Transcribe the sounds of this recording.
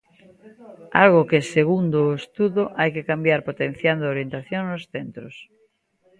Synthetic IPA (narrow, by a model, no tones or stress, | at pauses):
a̰lɣokeseɣ̞und̪oest̪uðoʔajkekambjaɾpot̪ẽn̟θjand̪ooɾjent̪aθjoŋnosθent̪ɾos